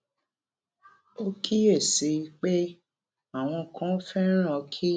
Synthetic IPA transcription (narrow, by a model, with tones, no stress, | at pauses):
o˦kʰi˦e˦˨si˨˦k͡pe˦ | a˨w̃ɔ̃˧kʰã˨˦fɛ˦ɾ̃ɔ̃˦˧kʰi˦